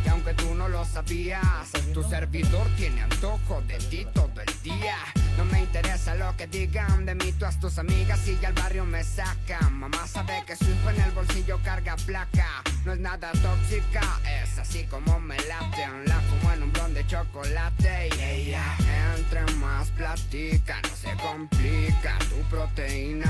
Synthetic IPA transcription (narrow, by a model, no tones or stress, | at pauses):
awŋket̪unolosaβiast̪useɾbiðoɾt̪jɛnea̰t̪okodðet̪it̪oðoeld̪ia | nomːeint̪eɾesalokeðiɣand̪emit̪uast̪usamiɣasːiʝalbarjomesakamamasaβekesufenelbolsiʎokaɾɡaplakanoeznaðat̪oksikaesasikomomelat̪eunlak̪omwanũmbɾond̪et͡ʃokolat̪ejaent̪ɾeŋmasplat̪ika̰nosekomplika̰t̪upɾot̪eina